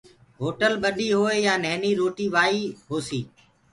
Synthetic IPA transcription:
ɦoːʈəlɓəɗiːɦoːeːjaːnəɦniːɾoːʈiːʋaːiːɦoːsiː

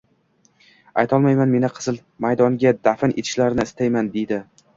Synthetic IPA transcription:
ajt̪ʰɒlˠmajmanme̞nɪqʰɨ̥z̥ɨl | majd̪ɒŋɡʲad̪afɪnʔet̪ʰɪ̥ʃlaɾnɪɪst̪ʰajmand̪e̞jd̪ɪ

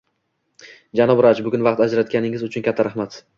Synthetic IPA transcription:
d͡ʒanɒbɾat͡ʃbʊɡʲʊnvɑq̚t̪ad͡ʒɾat̪̚kʲanɪŋɪzʊt͡ʃʰʊnkʲʰat̪ʰːaɾaχmat̪

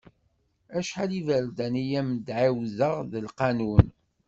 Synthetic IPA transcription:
æʃħalivæɾd̪ænijæmd̪ʕiwzəʁðəlqɑnun

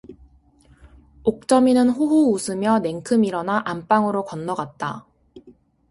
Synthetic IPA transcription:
ok̚t͡ɕ͈ʌminɯnɸoɦuusʰɯmjʌne̞ŋkʰɯmiɾʌnaʔamp͈aŋɯɾokʌnːʌɡat̚t͈a

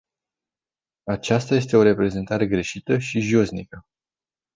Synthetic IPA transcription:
at͡ʃast̪aje̞st̪e̞o̞ɾe̞pɾe̞ze̞nt̪aɾe̞ɡɾe̞ʃit̪əʃiʒo̞znikə

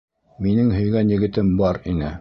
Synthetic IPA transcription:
minɘŋɦɵ̆jɡænjɘ̆ɡɘ̆t̪ɘmbɑɾinɘ

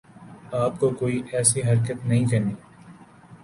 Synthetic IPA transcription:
aːpkokoːiʔɛːsiɦɐɾkət̪nɐɦĩkɐɾniː

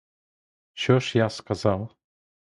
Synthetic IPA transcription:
ɕɔʂjaskazaw

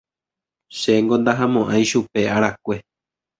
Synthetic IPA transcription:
ʃeŋɡõnd̪aɦãmõʔãj̃ʃupe̞aɾakʷe̞

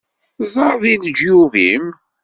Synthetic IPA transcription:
zˤɑɾˤðind͡ʒjuvim

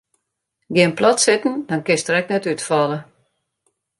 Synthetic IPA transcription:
ɡɪənplɔtsɪtn̩dɔnkɪstəɾɛk̚nɛtytfɔlˠə

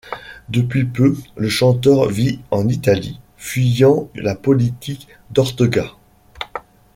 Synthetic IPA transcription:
d̪əpɥipøləʃɑ̃t̪œʁviɑ̃nit̪ali | fɥijɑ̃lapɔlit̪ik | d̪ɔʁt̪ɔɡa

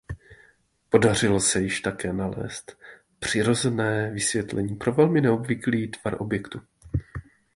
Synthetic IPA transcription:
po̞dar̝ɪlo̞sɛjɪʃt̪akɛːnalɛ̰ːst̪ | pr̝̥ɪɾo̞zɛnɛːvɪsvjɛt̪lʔɛɲiːpɾo̞vɛlmɪnɛo̞bvɪkliːt̪v̥aɾʔo̞bjɛkt̪u

